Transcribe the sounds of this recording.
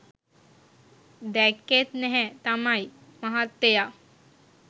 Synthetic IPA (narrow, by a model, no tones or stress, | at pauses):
d̪ɛkːet̪nɛɦɛ̃t̪amaj | maɦat̪ːeja